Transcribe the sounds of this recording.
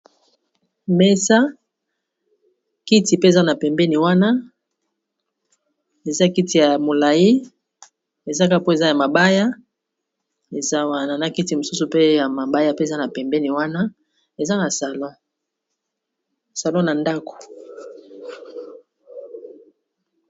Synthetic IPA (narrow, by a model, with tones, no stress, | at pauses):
me˦sa˦ | ki˦ti˨pe˦e˨za˦na˨pɛ˨mbɛ˦ni˨wa˦na˦ | e˨za˦ki˦ti˨ja˨mo˨la˨ji˦ | e˨za˦ka˦po˦e˨za˦ja˨ma˨ba˦ja˦ | e˨za˦wa˦na˨na˦ki˦ti˨mo˨su˦su˨pe˦ja˨ma˨ba˦ja˦pe˦e˨za˦na˨pɛ˨mbɛ˦ni˨wa˦na˦ | e˨za˦na˨sa˨lɔ̃˦˨ | sa˨lɔ̃˦na˨nda˦ko̥˨